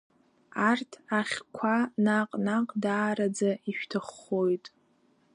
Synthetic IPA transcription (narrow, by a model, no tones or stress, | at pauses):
artʰaχʲkʷʰanaqʼnaqʼdaːɾad͡zaiʃᶣtʰɨχo̞jtʼ